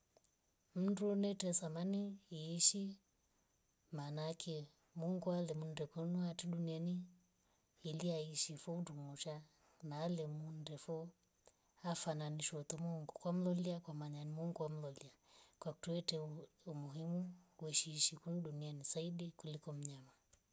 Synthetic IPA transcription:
m̩ndunɛtɛsamaniːʃi | manakʰɛ | muŋɡualɛmundɛkunuatiɗunianiː | liaiʃifɔundumuʃa | naːlɛmundɛfɔ | afananiʃɔtɔmuŋɡukwam̩lɔliakwamaɲanimuŋɡuwam̩lɔliakwaku̥tuɛtɛ | umuɦimuwɛʃiːʃikunuɗunianisaiɗikulikɔm̩ɲama

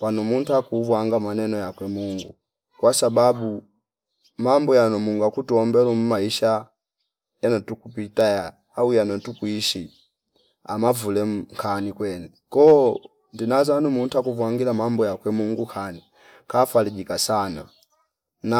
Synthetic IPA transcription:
panumuntakuvwaŋɡamanɛnɔjakwɛmuŋɡu | kwasababu | mambɔjanɔmuŋɡakutuɔmbɛlum̩maiʃa | janɔtukupitajaː | ujanɔtukwiʃi | amavulɛŋkʰanikwɛnɛ | kɔ | ndinazanumuntakuvwaŋɡilamambɔjakwɛmuŋɡukʰani | kafaliɟikasana̰ | na

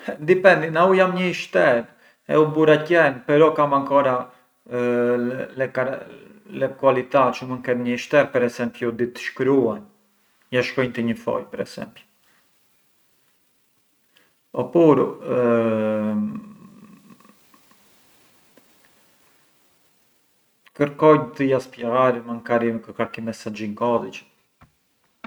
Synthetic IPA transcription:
nd̪ipɛnd̪inaujamɲəiʃt̪ɛɾ | ɛ̰ubuɾacɛnpɛɾɔkamaŋkɔɾa | lɛka | lɛkualit̪at͡ʃəmunkɛt̪ɲəiʃt̪ɛɾpɛɾɛsɛmpjud̪it̪əʃkɾuan | jaʃkɔjnt̪əɲəfɔ̰jpɛɾɛ̰sɛ̰mpj | ɔpuɾṵ | kəɾkɔjt̪əjaspjɛɣaɾimankaɾikəɾkaɾkimɛsad͡ʒiŋkɔðit͡ʃ

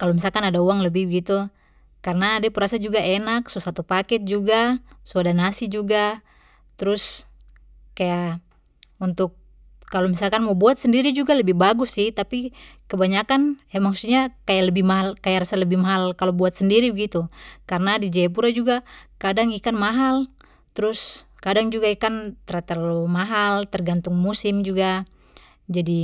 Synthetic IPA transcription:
kalɔmisakanadauaŋləbihbəɡit̪u | karnadipuɾasad͡ʒuɡaʔɛnak̚sɔsat̪upakɛt̪̚d͡ʒuɡasɔadanasid͡ʒuɡa | t̪ɾus | kaja | unt̪ʊk̚ː | alɔmisakanmɔbuat̪̚sɛndiɾid͡ʒuɡaləbibaɡusːiht̪apikəbaɲakanɛmaksuɲakajaləbɪhmaɦalkajaʔɾasaləbihmaɦalkalobuat̪səndiɾibəɡit̪ukarnadid͡ʒaap̬uɾad͡ʒuɡakadaŋikanmaɦal | t̪ɾʊs | kadaŋd͡ʒuɡaikant̪əɾat̪ərlumaɦalt̪ərɡant̪uŋmusimd͡ʒuɡa | d͡ʒadi

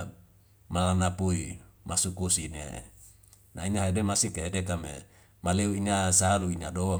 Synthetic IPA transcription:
malanapuimasukusinḛ | nainaɦedemasikeɦedek̬amḛ | maleuinasaluinadowa

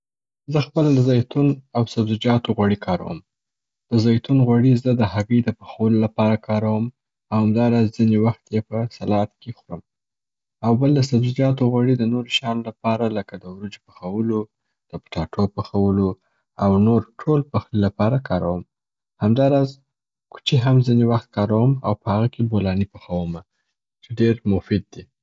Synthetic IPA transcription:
zəxpəlad̪əzɑjt̪unawsabzɪd͡ʒɑt̪oɣwaɽikʰɑɾa̰wə̰m | d̪̥əzɑjt̪unɣwaɽizəd̪əhaɣəjd̪əpəxawəlolapɑɾakʰɑɾawəm | awhamd̪ɑɾɑzzinewaxt̪jepəsalɑat̪̚kexuɾəm | awbəld̪əsabzɪd͡ʒɑt̪oɣwaɽid̪ənoɾoʃɑnolapɑɾaləkad̪əwɾud͡ʒpə̥xawəlo | d̪̥əpʈɑʈʰopəxawəlo | awnoɾʈʰolpaxlilapɑɾakɑɾawəm | hamd̪ɑɾɑz | ku̥t͡ʃeɦamzinewaxt̪̚kɑɾawəma̰wpəhaɣakebolɑnipaxawəma | t͡ʃeɖeɾmʊfɪd̪̚ːi

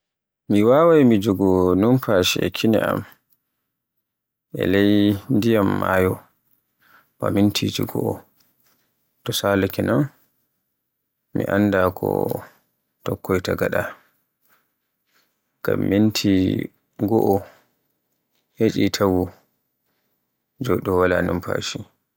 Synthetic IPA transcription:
miwaːwajmid͡ʒoɡɔnumpʰaʃiɛ̰kʰinɛ̰ʔa̰m | ʔɛ̰lajndijamːa̰jɔ | bamintʰid͡ʒiɡɔ̰ʔɔ | tɔsaːlakɛnɔn | miʔanːdakʰɔ̰ | tɔkːɔjtaɡaɗa | ɡ̥amːintʰi | ɡɔʔɔ | het͡ʃʼitʰawu | d͡ʒɔɗɔwalanimpa̰ʃi

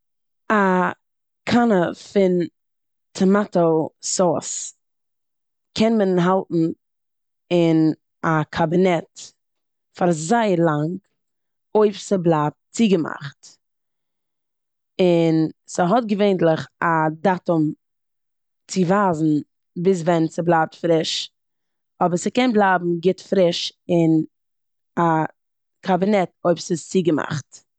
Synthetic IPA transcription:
a | kʰanəfɪn | tʰəmatosɔs | kʰɛnmənɦalˠtn̩ | ɪn | akʰabɪnɛt | faɾzaɪəɾlˠaŋk | oɪfsəblˠap̚t͡siɡəma̰χt | ɪnsəɦɔt̚ɡəveɪntlˠɪχadatʊm | t͡sɪvaːzn̩ | bɪs̬vɛnsəblˠaːp̚tfɾɪʃ | ɔbəɾsəkɛnblˠaːbm̩ɡɪtfɾɪʃɪn | a | kʰabɪnɛtoɪpsɪt͡siːɡəma̰χt

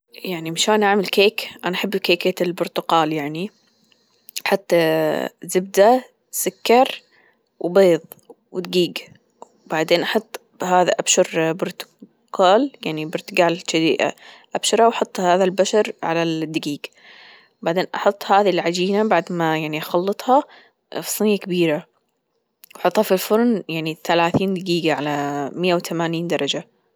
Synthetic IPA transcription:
jaʕnimɪʃaːnʔaʕmɪlkeːkʔanaʔaħɪbːkeːkeɪlbʊɾt̪ʊqɑːljaʕni | ħat̪ˤːazɪb̚d̪a | sʊkːɑɾˤ | wbeːðˤ | wɪt̪ɡiːɡ | baʕd̪eːnʔɑħɑt̪ˤː | haːða̰ʔabʃʊɾbʊɾt̪ʊ̥ | qʰaːljaʕnibʊɾt̪ʊɡaːlɪʃad̪ḭːʔa̰ʔabʃɑɾˤhɑwħʊt̪ˤːhaːðalbaʃɑɾˤʕa̰lad̪ːaɡiːɡ | baʕd̪eːnʔɑħʊt̪ˤːhaːðilʕad͡ʒiːnabaʕd̪majaʕniʔɑxɑlːɨt̪ˤhɑ | fsˤɨnɪjakabiːɾa | wħʊt̪ˤːhɑfilfʊɾˤnjaʕniθalaːθiːnd̪aɡiːɡaʕalamɪjːawθamaːniːnd̪ɑɾˤɑd͡ʒa

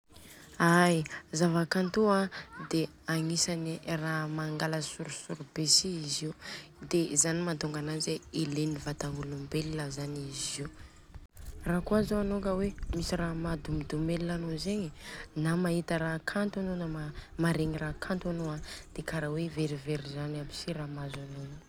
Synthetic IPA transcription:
ajzavakant̪uad̪e | aŋisaniramaŋɡaləsuɾusuɾubesiizi | d̪ezanimat̪uŋɡananzeilenivat̪aŋɡulumbeliləzaniziu | rakuazoanokəwemisiɾamad̪umid̪umelilanozeɲinamaɦit̪əɾakʰant̪anonamamaɾeŋirakʰant̪anoad̪̥ekaɾaweveɾiveɾizanabi̥siramazanonə

